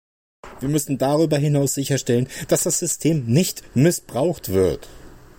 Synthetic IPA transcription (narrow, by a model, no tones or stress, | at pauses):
v̥iːɐmʏsn̩daʁyːbɐɦɪnaʊsz̥ɪçɐʃtɛlənd̥asd̥asz̥ʏstʰeːmnɪçtmɪsb̥ʁaʊxtv̥ɪɐt